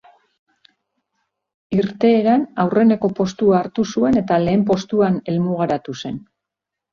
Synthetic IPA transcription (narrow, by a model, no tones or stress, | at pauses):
iɾt̪e̞ːɾanawre̞ne̞ko̞po̞st̪uaːɾt̪usue̞ne̞t̪ale̞ːmpo̞st̪uane̞lmuɣ̞aɾat̪use̞n